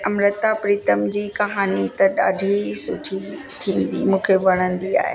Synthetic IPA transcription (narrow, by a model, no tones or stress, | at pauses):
ɐmɾət̪apɾiːt̪əmd͡ʑiːkɐɦaːnit̪ɐɗa̰ːɖʱisʊʈʰi | t̪ʰĩːn̆d̪ḭmũːkʰeʋɐɽ̃ə̃nd̪ia̰ːɦḛ